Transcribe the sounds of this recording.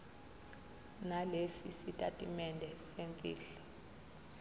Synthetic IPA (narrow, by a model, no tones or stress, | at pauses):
nalesisitʼatʼimɛndʱɛseɱfʼḭːɬɛ̥